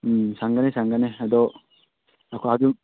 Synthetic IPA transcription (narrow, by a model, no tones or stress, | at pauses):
saŋɡanesaŋɡanead̪o | akuad̪u